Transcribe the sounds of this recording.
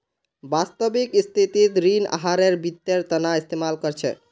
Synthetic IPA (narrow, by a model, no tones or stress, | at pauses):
bast̪əbikist̪ʰit̪it̪ɾina̰ɦaɾeɾbit̪ːeɾt̪ənaist̪ʰemalkʌɾt͡ʃʰɛ̰